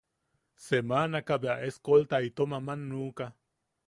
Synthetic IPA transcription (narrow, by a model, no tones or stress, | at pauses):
semanakabeaʔeskolt̪ait̪omamanːuːka